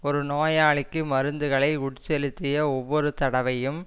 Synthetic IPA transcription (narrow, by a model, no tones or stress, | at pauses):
ɔɾɯnoːjaːɭɪkːɯmɐɾɯnd̪ɯɣɐɭɐɪʊɽt͡ʃːɛlɪt̪ːɪjɐɔʋːɔɾɯt̪ɐɽɐʋɐjɯm